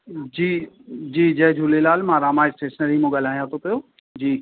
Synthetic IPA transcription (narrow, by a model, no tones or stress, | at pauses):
d͡ʑiː | d͡ʑiːd͡ʑɐɦd͡ʑʱulelaːlmãːɾaːmaːɪsʈeːsənəɾiːmũːɡal̤aːijãt̪ʰopijoː | d͡ʑiː